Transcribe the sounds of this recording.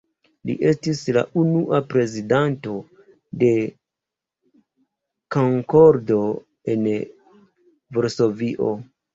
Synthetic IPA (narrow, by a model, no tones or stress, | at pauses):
lḭʔe̞stisla̰ʔunuʔapɾe̞zidanto̞ | de̞ | koŋko̞ɾdo | e̞n | voɾso̞viʔo̞